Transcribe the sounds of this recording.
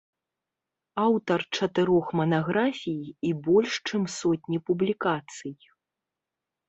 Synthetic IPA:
awt̪ɐrt͡ʂɐt̪ɨɾɔxmɐnaɣɾafʲijibɔlʲʂt͡ʂɨmsɔt̪ʲnʲipublʲikat̪sɨj

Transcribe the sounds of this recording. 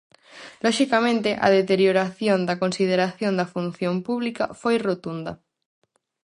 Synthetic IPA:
lɔʃikamẽnt̪eʔa̰ð̞et̪eɾjoɾaθjond̪akonsið̞eɾaθjond̪ɐfun̟θjõmpuβlikafojrot̪und̪ɐ

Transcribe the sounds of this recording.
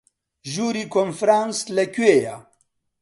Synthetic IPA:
ʒuːɾiːkonfɾaːnslɐkueja

